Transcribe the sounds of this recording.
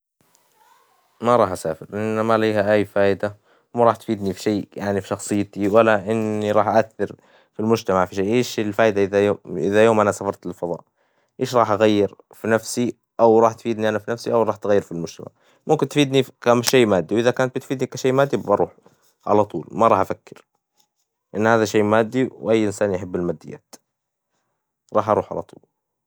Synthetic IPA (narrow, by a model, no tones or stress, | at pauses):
maɾˤɑːħʔasaːfɪɾlːamaliːhaʔajːfaːʔɪd̪a | wmaɾˤɑːħt̪fiːd̪nifiʃaːjaʕnifi̥ʃɑxsˤɨjːt̪iwalːaʔɪnːiɾˤɑːħʔaʔaθːɑɾ | filmʊd͡ʒt̪amaʕfiʃeːʔeːʃɪlfaːʔɪd̪aʔðaʔɪðajoːmʔanasafɑɾˤt̪ɪlfɑðˤɑ̰ːʔ | ʔeːʃɾˤɑːħʔaɣajːɪɾ | finafsi | ʔawɾˤɑːħt̪fiːd̪niʔanafinafsiʔawɾˤɑːħt̪ɣajːɪɾfilmʊd͡ʒt̪a̰ma̰ʕ | mʊmkɪnt̪fiːd̪nikamʃeːmaːd̪ːiwʔɪðakaːnt̪̚bɪt̪fiːd̪nikaʃeːmaːd̪ːibbɑɾˤṵːħ | ʕa̰lat̪ˤṵːlmaɾˤɑːħʔafakːɪɾ | ʔɪnːhaːðaʃeːmaːd̪ːiwʔajːʔɪnsaːnjaħɪbːɪlmaːd̪ːɪjːa̰ːt̪ | ɾˤɑːħʔɑɾuːħʕa̰la̰t̪ˤṵːl